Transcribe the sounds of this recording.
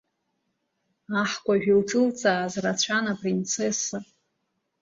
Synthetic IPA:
aħkʷʼaʒᶣilʈ͡ʂʼɨlt͡sʼaːzrat͡ɕʷʰanapʼrint͡sʰesa

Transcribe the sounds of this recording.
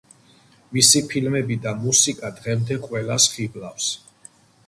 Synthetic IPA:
misipʰilmɛbid̪amusikʼad̪ʁɛmd̪ɛqʼwɛlasχiblafs

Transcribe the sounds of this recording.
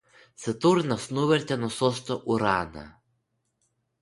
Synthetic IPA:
sʲɛt̪uɾnɐsnuʋʲɛɾʲt̪ʲɛnɔsɔst̪ɔʔuɾaːnɐ̰

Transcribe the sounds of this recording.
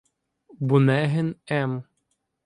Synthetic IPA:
bʊnɛɦenɛm

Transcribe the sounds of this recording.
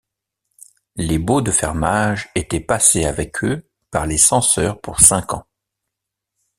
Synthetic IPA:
lebod̪əfɛ̰ʁmaʒet̪ɛpaseavɛkʰø | paʁlesɑ̃sœʁpuʁsɛ̃kɑ̰̃

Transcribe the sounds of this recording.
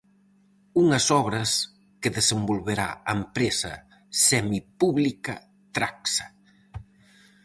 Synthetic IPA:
uŋɐsɔβ̞ɾɐs | kɪðesembolβeɾa̰ɐempɾesɐ̰ | sɛmipuβlikɐ̰ | t̪ɾaksɐ̥

